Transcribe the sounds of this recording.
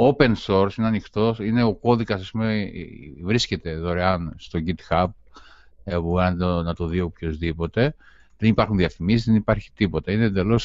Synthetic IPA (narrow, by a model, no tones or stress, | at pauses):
ope̞nso̞ɾsineɐnixt̪o̞sine̞o̞ko̞ðikɐsɐspumḛvɾisce̞t̪e̞ðo̞ɾeɐnst̪o̞ɟit̪xɐp̚ | euɐnnɐt̪oðiopço̞zðipo̞t̪e̞ | ðenipɐɾxunðiɐfimisizðenipɐɾçi̥t̪ipo̞t̪ɐined̪e̞lo̞s